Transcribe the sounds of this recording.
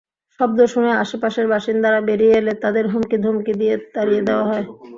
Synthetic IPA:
ʃɔb̚d̪oʃoneaʃepaʃeɾbaʃind̪aɾabeɾieelet̪ad̪eɾɦumkid̪ʱumkid̪ijed̪aɾijed̪eoaɦɔe

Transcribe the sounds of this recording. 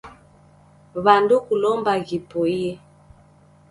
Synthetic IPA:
βandukulɔmbaɣipɔiɛ

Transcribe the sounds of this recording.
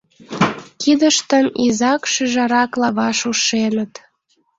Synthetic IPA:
kid̪əʃt̪ənizɑkʃyʒɑɾɑklɑβɑʃuʃenət̪

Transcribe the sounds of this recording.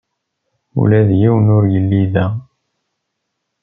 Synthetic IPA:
ṵlæðjiwənʊɾjəlːiðæ

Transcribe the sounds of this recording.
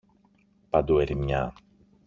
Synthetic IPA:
pad̪ueɾimɲa

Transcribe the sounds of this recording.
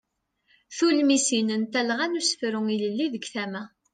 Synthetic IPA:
θulmisinənt̪ælʁænusə̥fɾʊŋiləlːiðəɡθæmæ

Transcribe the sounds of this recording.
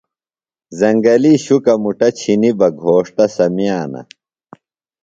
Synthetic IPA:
zɐŋɡɐliɕukɐmuʈɐt͡ɕʰinibɐɡʱoːʂt̪ɐsɐmijaːnɐ̰

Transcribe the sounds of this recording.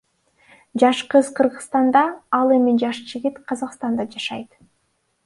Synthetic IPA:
d͡ʒɑʃqɯzqʰɯɾʁɯst̪ɑnd̪ɑɑlˠe̞mid͡ʒɑʃd͡ʒiɡʲit̪qʰɑzɑqst̪ɑnd̪ɑd͡ʒɑʃɑjt̪

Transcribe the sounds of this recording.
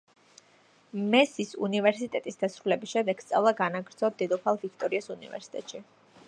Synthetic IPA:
mɛsisṵnivɛɾsit̪ʼɛt̪ʼisd̪asɾulɛbisʃɛmd̪ɛɡ̥st̪sʼa̰vlˠaɡanaɡɾd̪zɔd̪ɛd̪ɔpʰalˠvik̚ʰt̪ʼɔɾiasunḭvɛ̰ɾsi̥t̪ʼɛ̰t̪ʼʃi

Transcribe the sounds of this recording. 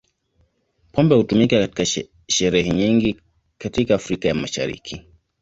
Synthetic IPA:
pʰɔmbɛhutumikakati̥ka | ʃɛɾɛhɛɲiŋɡi | katikaːfɾikajamaʃa̰ɾḭkʰi

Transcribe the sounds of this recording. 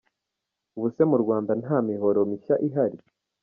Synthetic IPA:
uβuse̞muɾɡwaːndanhaːmiɦo̞ɾo̞miʃaʔiɦaɾi

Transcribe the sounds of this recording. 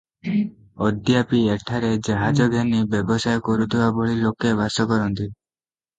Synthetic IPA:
ɔd̪japieʈʰaɾed͡ʒaɦad͡ʒɔɡʱanibebɔsajkɔɾut̪ʰibabɔɭilokebasɔkɔɾɔnt̪i

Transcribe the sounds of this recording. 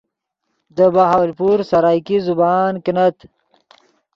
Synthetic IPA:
d̪əbaɦaːwlpuːɾsɐɾaːjkizubaːnkinɐt̪

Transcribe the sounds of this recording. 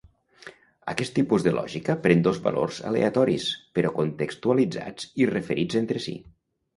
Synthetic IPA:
əkɛst̪ːipuzðəlʔɔ̰ʒikəpɾend̪ozβa̰lo̰rzəa̰lḛat̪ɔɾispəɾɔkont̪əkst̪ualid͡za̰d͡zirəfəɾid͡zent̪ɾəsḭ

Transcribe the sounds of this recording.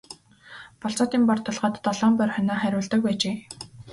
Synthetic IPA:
pɔɬt͡sɔːt̪iːmpɔrt̪ʰːɔɮʁɔːt̪t̪ːɔɮɔːmpœrʲχʲœnaːχæɾʲʊːɮt̪ə̆k̚wpæːt͡ɕeː

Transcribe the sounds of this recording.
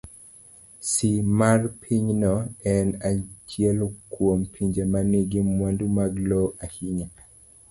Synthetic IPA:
simarpʰiɲnɔɛnat͡ʃiɛlkwompʰiɲd͡ʒemaniɡimwandumaɡloahiɲa

